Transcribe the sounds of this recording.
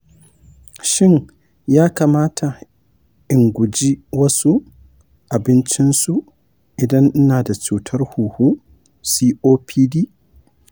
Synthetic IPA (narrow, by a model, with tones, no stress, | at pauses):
ʃɪ˦ŋ | jaː˦kaː˨maː˦tʰa˨ | ʔɪ˨ŋɡʷʊ˨d͡ʒi˦wɐ˦su˦ | ʔa˨bɪ˦nt͡ʃɪ˦nsu˨ | ʔɪ˨dɐ˦ŋʔ̩˦naː˨da˨t͡ʃuː˨tʰɐ˦rhuː˨hu˦ | siː˦ʔoː˦pʰiː˦diː˦